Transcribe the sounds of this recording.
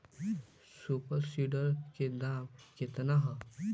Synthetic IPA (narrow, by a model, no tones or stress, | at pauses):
supəɾsiɖəɾked̪amket̪naɦə